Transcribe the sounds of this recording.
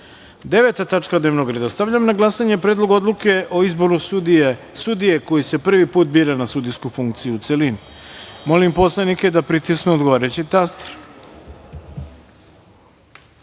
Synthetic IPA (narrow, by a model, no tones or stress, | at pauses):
d̪e̞ʋe̞t̪at̪at͡ʂkad̪neʋnoɡɾed̪ast̪aʋʎamnaɡlˠasaɲe̞pɾed̪lˠo̞ɡo̞d̪luke̞ʔo̞izbo̞ɾu | sud̪ije̞ko̞jise̞pr̩ʋipuːt̪̚biːɾanasud̪ijskufuŋkt̪sijuut̪selinimo̞limpo̞slenike̞d̪apɾit̪isknuod̪ɡo̞ʋaːɾet͡ɕit̪ast̪ɾ